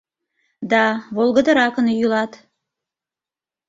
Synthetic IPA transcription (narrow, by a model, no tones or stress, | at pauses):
d̪ɑβolˠɣəd̪ə̆ɾɑkənjylɑt̪